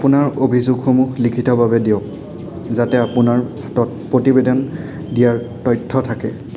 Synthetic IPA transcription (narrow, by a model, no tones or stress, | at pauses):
apunaɹobʱizuɡxomuxlikʰitɔbabɛdiʊ̃k | zatɛapunaɹ | tɔtpɹotibedɔn | dijaɹ | tɔjtʰːɔtʰakɛ